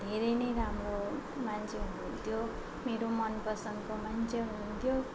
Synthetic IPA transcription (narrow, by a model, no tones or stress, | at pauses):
d̪ʱeɾʌjnʌjɾamro | mant͡sʰeɦunuunt̪ʰjo | meɾomʌnpʌsʌŋkomant͡sʰeuunt̪ʰjo